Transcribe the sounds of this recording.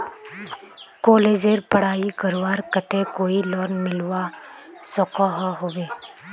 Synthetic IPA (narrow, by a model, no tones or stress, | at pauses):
kɔːleːd͡ʒeɾpəɽ̤aːikəɾʋaːɾkət̪ekoːilɔːɾnmɪlwa | sɔkɔɦɦoːʋeː